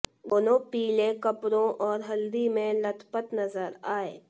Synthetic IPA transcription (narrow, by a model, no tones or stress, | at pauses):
d̪oːnopiːlẽkɐpɾõʔɔːɾɦɐld̪imẽlɐt̪ʰpət̪nɐzəɾaːḛː